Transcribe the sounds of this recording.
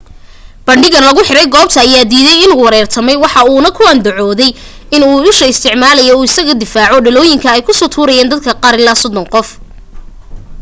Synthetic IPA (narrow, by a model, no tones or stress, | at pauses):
b̥ɐɳɖɪɣɐnlɐɣʊħɪɾɛjɡɔːb̚t̪ʰɐːjaːd̪iːðɛjɪnuːwɐɾɛːrt̪ʰɐmɛjwɑħɑuːnɐkʰʊand̪ʊʕɔːðɛj | ɪnuːʊʃɐɪst̪ʰɪʕmaːlɐjɔuːɪsɐɣɐd̪ɪfaːʕɔɖɐlɔːjɪŋkʰɐɛjkʰʊsɔːt̪ʰuːɾɐjaːnd̪ɐd̪̚kʰɐqɑːɾɪlaːsɔd̪ɔnqɔf